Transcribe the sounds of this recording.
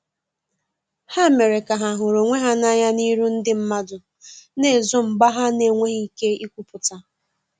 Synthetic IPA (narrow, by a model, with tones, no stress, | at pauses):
ha˦˨me˨ɾɪ˨ka˨ɦa˨ɦʊ˨ɾo˨ŋʷe˦ɦa˦na˦ɲa˦ni˦ɾu˦n̩˦dɪ˦m̩˦ma˦dʊ˨ | ne˨zʊ˦m̩˨ɡ͡ba˦ɦa˦ne˨ŋʷe˦ɦi˦˨ke˦i˦kʷu˦pʊ˨ta˦